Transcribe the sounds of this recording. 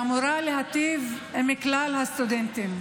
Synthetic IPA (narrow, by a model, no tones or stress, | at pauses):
muɾaleɦat̪iv | emiklalhast̪ud̪ent̪im